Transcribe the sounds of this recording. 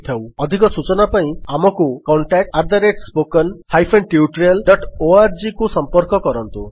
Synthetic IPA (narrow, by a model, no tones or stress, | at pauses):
t̪ʰawɔd̪ʱikɔsut͡ʃɔnapaĩamɔkukɔɳʈak̚ʈaɾd̪ʱaɾeʈspokɔnhajpʰenʈiuʈɾiɔlɖɔʈoaɾd͡ʒikusɔmpɔɾkɔkɔɾɔnt̪u